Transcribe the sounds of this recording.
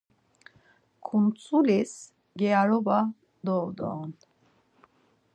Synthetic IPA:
kʰunt͡sʼulis | ɡɛaɾɔba | d̪ɔd̪ɔ̰n

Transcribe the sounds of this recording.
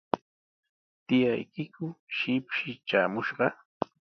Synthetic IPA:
t̪ɪjajkɪkʊʃɪpʃɪt͡ʃaːmʊʃɢɑ

